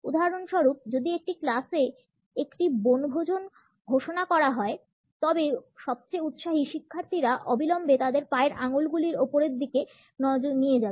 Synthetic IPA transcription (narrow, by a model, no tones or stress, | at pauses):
ud̪ʱaɾonʃɔɾup̚d͡ʑod̪iek̚ʈiklase | ekʈibonɡʱod͡ʑon | ɡʱoʃonakɔɾaɦɔe | t̪ɔbeʃɔb̚t͡ɕejut̪ʃaɦiʃikʰːaɾt̪ʰiɾaʔɔbilɔmbet̪ad̪eɾpaeɾʔaŋolɡuliɾopoɾeɾd̪ike | nɔd͡ʑonijed͡ʑabe